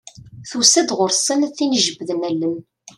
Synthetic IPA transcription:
θusæd̪ʁʊɾsˤənθinəʒəbðənælːəm

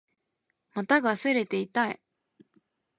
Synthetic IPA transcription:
mat̪aɡasɨɾe̞t̪e̞it̪ai

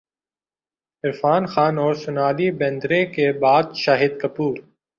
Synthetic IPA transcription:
ɪɾfaːnxaːnɔːɾsʊnaːlibẽːnd̪ɾekebaːd̪ʃaːɦɪd̪kɐpuːɾ

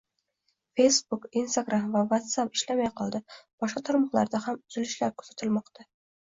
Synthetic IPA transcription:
fe̞jsbukinst̪aɡɾamvavat̪sapɪʃlamajqʰɒlˠd̪ɪb̥ɒʃqɑt̪ʰɒɾmɒχlˠa̰ɾd̪ahamʊz̥ɪlɪʃlaɾkʰɵ̥z̥at̪ʰɪlmɒqt̪ʰa

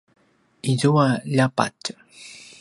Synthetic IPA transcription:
izuaʎapa̰t͡ʃ

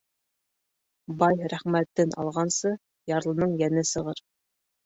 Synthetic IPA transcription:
bɑjɾæχmæt̪ːɘnʔɑ̰lˠʁɑnsɤ | jɑɾlˠɤ̆nɤɴjænɘsɤ̆ʁɤɾ

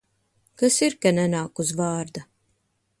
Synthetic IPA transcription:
kasiɾkanɛnaːkusvaːɾd̪a

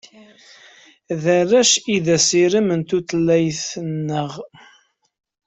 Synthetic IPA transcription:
ðərːæʃiðæsiɾəmənt̪uθlːæjθnːəʁ

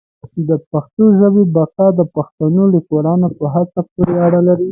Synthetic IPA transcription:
d̪əpaxt̪oʒəwebakɑd̪əpaxt̪anolikwaɾɑnopəɦat͡sapoɾeaɽalaɾi

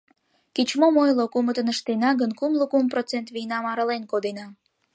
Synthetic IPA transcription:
kit͡ɕmomojlokumət̪ənəʃt̪enɑɣənkumləkumprot͡sent̪βijnɑmɑɾəlenkod̪enɑ

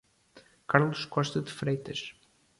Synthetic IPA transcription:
kaɾlˠuʃkɔʃt̪ɐðɨfɾejt̪ɐʃ

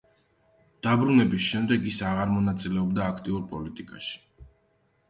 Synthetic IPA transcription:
d̪̥abɾunɛbisʃɛmd̪ɛɡisaʁaɾmɔnat̪sʼilɛɔb̚d̪aːkʰt̪ʼiuɾpʼɔlit̪ʼikʼa̰ʃi̥

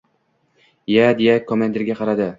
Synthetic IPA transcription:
jad̪ejakʰːomand̪ɪɾɡʲaqʰɑɾad̪ɪ

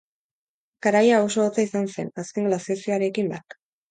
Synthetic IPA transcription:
kaɾajao̞soot͡saisanse̞̰naske̞ŋɡlasiasioaɾe̞kimbak

